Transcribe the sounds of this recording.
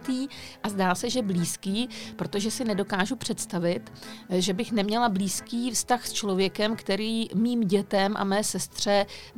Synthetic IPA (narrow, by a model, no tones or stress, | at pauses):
t̪iːʔazdaːsɛʒɛbliːskiːpɾo̞t̪o̞ʒɛsɪnɛdo̞kaːʒupr̝̥ɛt̪st̪avɪt̪ | ʒɛbɪxnɛmɲɛlabliːskiːfst̪axst͡ʃlo̞vjɛkɛmkt̪ɛɾiːmiːmɟɛt̪ɛmʔa̰mɛːsɛst̪r̝̥ɛ